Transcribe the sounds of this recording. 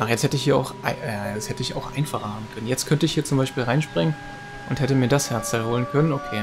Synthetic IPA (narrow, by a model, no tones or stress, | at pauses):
ʔaχjɛt͡sthɛtəɪçhiːɐa̰ʊxʔa̰ɪjaɛt͡shɛtəɪça̰ʊxʔa̰ɪnfaχɐhaːbm̩kʰœnənjɛt͡stkʰœntəɪçhiːɐt͡sʊmbaɪʃpiːlʁaɪnʃpʁ̥ɪŋən | ʔʊnthɛtəmiːɐdashɛɐt͡sd̥alhoːlənkʰœnənokʰeː